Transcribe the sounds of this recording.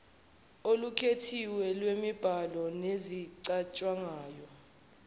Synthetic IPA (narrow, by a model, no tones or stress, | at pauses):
olukʰetʰiwɛlwemib̥ʱalɔneziǀat͡ʃʼwaŋaːjɔ